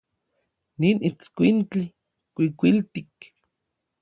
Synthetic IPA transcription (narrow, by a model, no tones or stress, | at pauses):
ninit͡skʷint͡ɬi | kʷikʷilt̪ik